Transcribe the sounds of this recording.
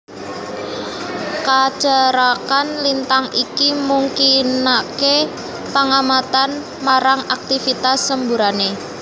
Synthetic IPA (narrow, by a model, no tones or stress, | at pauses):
kad̥ʒ̥əɾakanlint̪aŋikimuŋkinake | pəŋamat̪an | maɾaŋak̚t̪ifit̪asːəmbuɾane